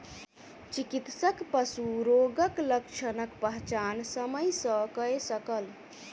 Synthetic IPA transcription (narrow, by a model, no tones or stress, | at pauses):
t͡ʃikit̪səkpəsuɾoɡəkləkt͡ʃʰənəkpəɦt͡ʃansəməjsə̃kəesəkəl